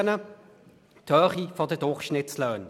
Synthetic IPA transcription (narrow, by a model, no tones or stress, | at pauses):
nə | tʰœːχifɑtətɔχʃnɛtsləːn